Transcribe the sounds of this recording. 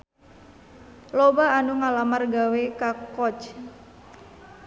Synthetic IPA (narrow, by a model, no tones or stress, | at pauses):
lobaːnuŋalamarɡawekakɔt͡ʃ